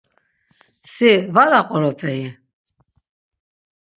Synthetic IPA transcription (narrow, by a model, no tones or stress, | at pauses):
sivaɾaqʼɔɾɔpʰʼɛi